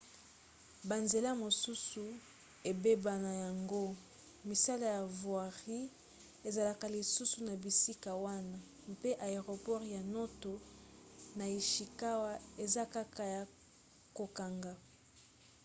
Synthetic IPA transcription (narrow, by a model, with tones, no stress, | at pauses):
ba˨nze˨la˦mo˨su˦su˨ | e˨be˦ba˨na˨ja˨ŋɡo˦ | mi˨sa˦la˨ja˨vwa˨ʁi˦ | e˨za˨la˨ka˨li˨su˦su˨na˨bi˨si˦ka˨wa˦na˦ | mpe˦ʔa˨e˨ʁo˨pɔ˦ʁja˨no˦to˨ | na˨i˨ʃi˨ka˦wa˦e˨za˦ka˦ka˨ja˨ | ko˨ka˨ŋɡa˦